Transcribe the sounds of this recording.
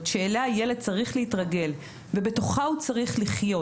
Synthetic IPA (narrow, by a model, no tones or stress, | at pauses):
ʃe̞ːlajele̞d̪̚t͡saʁiχlehitʁaɡe̞l | ve̞be̞to̞χaut͡saʁiχliχjo̞